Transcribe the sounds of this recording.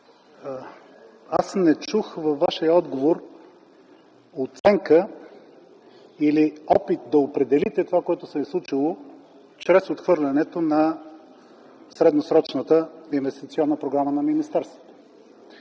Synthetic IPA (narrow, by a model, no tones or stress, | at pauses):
asnɛt͡ʃuxvɐfːaʃijəɔd̪ɡovoɾ | ot̪sɛŋkə | iliɔpit̪̚d̪ɐopɾɛd̪ɛlit̪ɛt̪ovakoɛt̪ʊsɛislˠut͡ʃilˠo | t͡ʃɾɛsot̪xvɤɾlʲɐnɛt̪onɐ | sɾɛd̪nosɾɔt͡ʃnət̪əinvɛst̪it̪siɔnːəpɾoɡɾamənɐminist̪ɛɾst̪vo̥t̪ə̥